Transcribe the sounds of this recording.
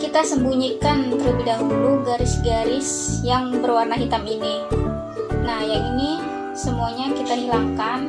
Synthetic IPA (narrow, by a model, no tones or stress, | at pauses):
kit̪asəmbuɲikant̪əɾubihdaɦuluɡaɾɪsɡaɾɪs | jaŋbərwarnaɦit̪amini | nahjaŋini | səmuaɲakit̪aɦilaŋkan